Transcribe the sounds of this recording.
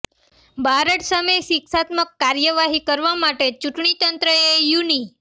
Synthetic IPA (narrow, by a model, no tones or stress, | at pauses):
bʱaɾəʈsəməjʃiksat̪məkːaɾjəʋaɦikəɾʋamaʈet͡ʃuʈɳit̪ənt̪ɾəejuni